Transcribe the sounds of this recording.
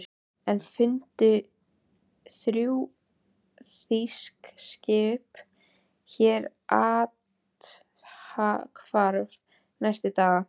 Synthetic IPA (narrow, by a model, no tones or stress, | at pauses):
ɾ | ɛnfɪnt̪ʏ | θɾjuː | θiskscɪːp | çɛːɾ | ʔaːt̪ | hakʰvaɾv | najst̪ʏt̪aːɣa